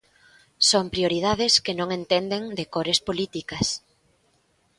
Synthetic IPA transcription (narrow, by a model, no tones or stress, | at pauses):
soŋpɾioɾið̞aðɪskɪnõŋẽnt̪end̪eŋd̪ekoɾespolit̪ikɐs